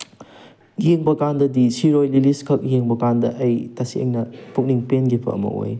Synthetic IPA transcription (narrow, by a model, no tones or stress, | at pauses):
jeŋbɐkandɐdisiɾojliliskʰɐk̚jeŋbɐkandɐʔɐjtɐsiḛŋnɐpʰuk̚niŋpenɡipʰɐ̰ɐ̰mɐ̰ʔo̰j